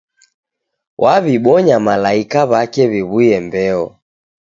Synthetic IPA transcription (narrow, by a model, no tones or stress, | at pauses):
wʔaβiɓɔɲamalaikaβakɛβiβuɛmbɛɔ̰